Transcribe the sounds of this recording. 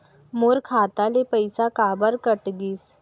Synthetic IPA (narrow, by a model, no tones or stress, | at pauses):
moːɾkʰat̪alepəjsakabəɾkəʈɡiːs